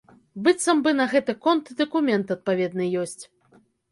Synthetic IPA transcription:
bɨt̪sːɐmbɨnɐɣɛt̪ɨkɔnt̪ɨd̪ɐkumʲɛnt̪ɐt̪̚pavʲɛd̪nɨjɔsʲt͡sʲ

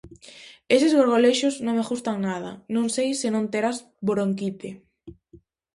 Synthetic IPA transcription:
esɪzɣoɾɣoleʃʊznõŋmeɣust̪aŋnað̞ɐ̰nõŋsejsɪnõnt̪eɾaz | boɾoŋkit̪ɪ

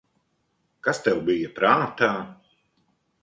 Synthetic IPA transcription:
kast̪ɛwbijɐpɾaːt̪aː

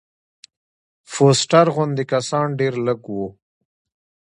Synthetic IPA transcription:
fosʈaɾɣʊnd̪ekasɑɳɖeɾləɡwu

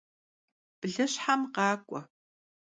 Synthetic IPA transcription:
b̥ɨɮɨɕħamqɑːkʷʼɔ

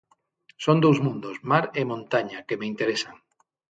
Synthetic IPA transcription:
sond̪owzmũnd̪ozmaɾemõnt̪aɲakemeint̪eɾesaŋ

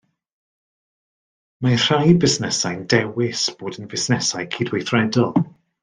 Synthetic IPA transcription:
mar̥ajbɪsnɛsajndɛwɪsb̥oːdənvɪsnɛsajkʰiːdwejθrɛdɔlˠ

